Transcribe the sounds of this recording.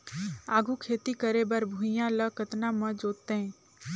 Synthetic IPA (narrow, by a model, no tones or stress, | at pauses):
aːɡʱukʰeːt̪ikəɾebəɾbʱũjãləkət̪namə̃d͡ʒoːt̪ːeɦɛ̃